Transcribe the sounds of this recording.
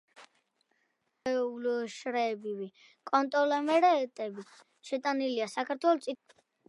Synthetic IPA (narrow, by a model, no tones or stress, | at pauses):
ɛuluʃɾɛːbiwi | kʼɔnt̪ʼɔlɛmɛɾɛt̪ʼɛbi | ʃɛt̪ʼaniliasakʰaɾt̪ʰwɛlt̪sʼi